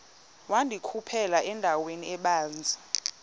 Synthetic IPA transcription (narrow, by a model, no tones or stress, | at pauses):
wandʱikʰupʰɛlaʔɛndʱaweniɛɓaːnd͡zʱḁ